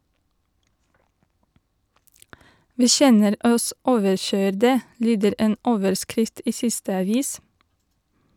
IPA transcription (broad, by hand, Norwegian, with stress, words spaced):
ˈʋiː ˈçɛnəɾ ˈɔs ˈoːʋəɾˌçœʏɾdə ˈlyːdəɾ ˈeːn ˈoːʋəɹˌskɾɪft ˈiː ˈsɪstə ɑˈʋiːs